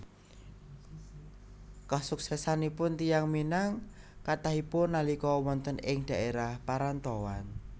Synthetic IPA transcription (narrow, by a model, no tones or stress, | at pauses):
kɔhsuk̚sɛsanipʊnt̪ijaŋminaŋ | kat̪aɦipʊnːalikɔwɔnt̪ənɪŋd̪̥a̤ʔeɾahpaɾant̪ɔwan